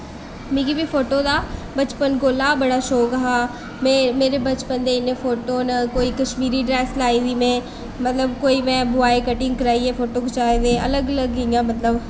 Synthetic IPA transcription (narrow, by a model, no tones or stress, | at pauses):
mĩːkibiːpʰoːʈoːd̪aːbət͡ʃpənkoːlaːbəɽaːʃoːkəɦaː | memeːɾeːbət͡ʃpənd̪eːɪnːẽːfʰoːʈoːnəkoːiːkəʃmiːɾiːɖɾɛːslaːiːd̪iːmẽː | mət̪ləbkoːiːmɛ̃ːbʊaːekəʈɪ̃ŋɡ̚kəɾaːieːpʰoːʈoːkʊt͡ʃaːed̪eːə̰ləɡələɡɪjãːmət̪ləb